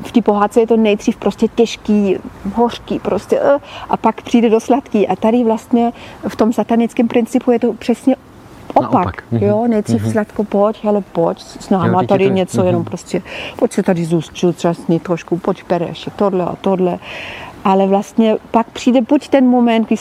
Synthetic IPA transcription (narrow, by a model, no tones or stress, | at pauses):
ft̪iːpoɦaːt̪̚t͡sɛjɛt̪onɛjd̪r̝iːfpɾostcɛcɛʃkiːɦorkiːpɾoscɛ̰ʔʔapakpr̝̥iːdɛdoslat̪kiːʔat̪adɪvlast̪ɲɛft̪omsat̪anɪt͡skɛmpɾɪnt͡sɪpujɛt̪opr̥ɛsɲɛ | ʔopakjonɛjdr̝iːfslat̪kopochɛlɛpocssnaːmat̪adɪɲɛt͡sojɛnompɾoscʲɛpocsɛt̪adɪzuːst͡ʃɪlt̪t͡ʃasɲɪt̪ɾoʃkupocbɛɾɛ̰ʃɛt̪odlɛa̰t̪odlɛʔalɛvlast̪ɲɛpakpr̝̥iːdɛbuct̪ɛnmomɛnt̪ɡdɪ